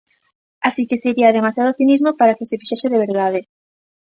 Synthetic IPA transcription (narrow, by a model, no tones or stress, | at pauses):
asikeseɾiaðemasjaðoθinizmopaɾakesefiʃeseðeβ̞eɾðað̞e